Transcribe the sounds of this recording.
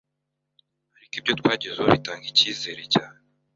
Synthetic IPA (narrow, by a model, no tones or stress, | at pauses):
haɾikibjotwaːɟezehoβitaːŋɡiciːze̞ːɾeca